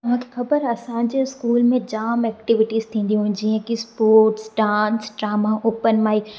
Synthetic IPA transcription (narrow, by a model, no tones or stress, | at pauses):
t̪ɐʋ̤ãːkʰexɐbəɾɐsãd͡ʑeɪskuːlmẽd͡ʑaːmɛːk̚ʈɪʋɪʈiz̥t̪ʰĩːn̆d̪iũɦnd͡ʑiɦə̃kispoːɾʈsɖãːnsɖɾaːmaʔoːpənmaːiː